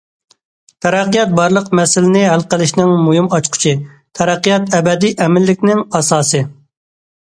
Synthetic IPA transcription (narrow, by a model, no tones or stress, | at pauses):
t̪ʰɛɾæqːijɑt̪̚bɑɾlˠəqmɛsɪlɪnɪɦælˠqəlˠɪʃnɪŋmujumɑt͡ʃqʰʊ̥t͡ʃʰi | t̪ʰɛɾɛqːijɑt̪ɛbɛd̪iʔɛmɪlːɪkʲnɪŋɑsɑːsɨ